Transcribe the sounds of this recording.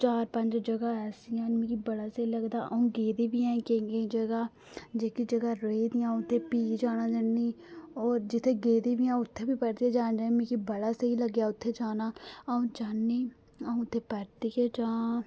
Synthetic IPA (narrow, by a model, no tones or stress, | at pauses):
t͡ʃaːɾpəɲd͡ʒd͡ʒəɡaːɛːsiãːnmĩːkibəɽaːsəiləɡd̪a̰ːʔəũːɡeːd̪iːbijãːkẽɡed͡ʒəɡaː | d͡ʒeːkid͡ʒəɡaːɾeid̪ijãːũt̪ʰːeːpiːd͡ʒaːnaːd͡ʒənːiːɔːɾd͡ʒɪt̪ʰːeɡeːd̪ibijãːʊt̪ʰːeːbipɛːɾt̪ied͡ʒãːnd͡ʒãmẽːkibəɽaːseiləɡjaːʊt̪ʰːeːd͡ʒaːnaːəũːt͡ʃaːnːiː | əũːt̪ʰːeːpɛɾt̪iked͡ʒãː